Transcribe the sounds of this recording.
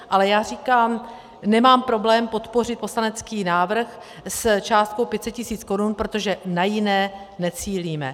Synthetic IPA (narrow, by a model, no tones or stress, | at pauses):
ʔalɛjaːriːkaːm | nɛmaːmpɾo̞blɛːmpo̞t̪po̞r̝ɪt̪̚po̞slanɛt͡skiːnaːvr̩x | st͡ʃaːst̪̚ko̞wpjɛt̪t͡sɛt̪cɪsiːt͡sko̞ɾunpɾo̞t̪o̞ʒɛnajɪnɛː | nɛt͡siːliːmɛ̰